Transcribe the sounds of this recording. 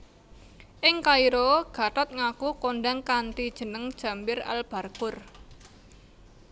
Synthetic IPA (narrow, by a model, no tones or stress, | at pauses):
ʔɪŋkaiɾoɡ̥a̤ʈ̪at̪̚ŋakukoɳɖaŋkant̪id̥ʒ̥ə̤nəŋd̥ʒ̥a̤mbɪra̰lb̥a̤rkʊr